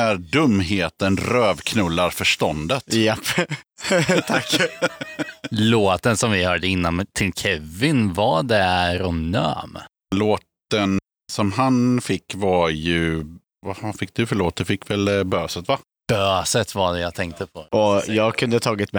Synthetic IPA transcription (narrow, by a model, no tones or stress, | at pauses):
æɾɖɵmːɦeːt̪ənɾøːvkʰnɵlːaɾfœʂʈ̪ɔnd̪ət̪jɛpː | t̪ʰakː | loːt̪ənsɔmvɪhœːɖəɪnːant̪ʰɪlkʰɛvːɪnvaɖ̪ɛæɾɔnœ̰ːm | loːt̪ən | sɔmɦanfɪkːvajɵ | vafɪk̚ːd̪ɵfœɭoːt̪̚d̪ɵfɪkːvɛlbøːsət̪va | b̥øːsət̪vaɖɛjat̪ʰɛŋk̚t̪əpʰɔʔɔjɑːɡkʰɵnd̪ət̪ʰɑːɡɪt̪mɛ